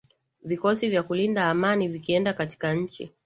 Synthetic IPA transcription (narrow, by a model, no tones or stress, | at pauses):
vikɔsivjakulindaːmanivikiɛndakati̥kaɲ̩t͡ʃḭ